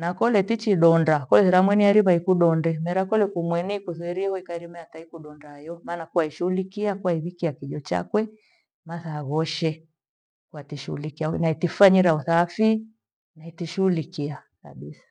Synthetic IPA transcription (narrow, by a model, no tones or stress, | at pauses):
nakɔlɛtit͡ʃiɗɔndakɔlɛɾamwɛniaɾiβaikuɗɔndɛmɛɾakɔlɛkumwɛniikuθɛɾiɛɣɔikaɾimɛataikuɗɔndajɔmaːnakuwaiʃuulikiakuwaiðikiakiʄɔt͡ʃa̰kwɛ | maθaɣɔʃɛ | kuatiʃuulikianaitifaɲiɾauθafi | naitiʃuulikia | ka̰ɓisḁ